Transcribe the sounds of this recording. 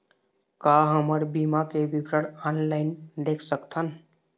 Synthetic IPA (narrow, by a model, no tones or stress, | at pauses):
kaɦəməɾbimakebʱipɾəɽanlaɪnd̪ekʰsəkt̪ʰən